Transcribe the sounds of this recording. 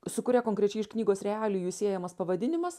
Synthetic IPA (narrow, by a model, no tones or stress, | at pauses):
sʊkʊɾʲɛkoːŋʲkɾʲɛt͡ʃʲɛɪɪʃknʲiːɡoːsɾʲɛɑːlʲuːjuːsʲiɛjɛmɐspɐʋɐd̪ʲɪnʲɪmɐs